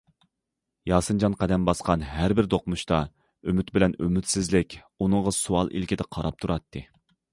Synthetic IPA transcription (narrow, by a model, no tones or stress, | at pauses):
jɑːsɨnd͡ʒɑnqɛd̪ɛmbɑsqɑnɦæɾbɪɾd̪oqmuʃt̪ɑ | ymyt̪bɪlɛnymyt̪sɪzlɪkʲ | unɨŋʁɑsuɑlˠʔḭlkʲid̪ɛqʰɑɾɑp̚t̪ʰuɾɑt̪ʰːɨ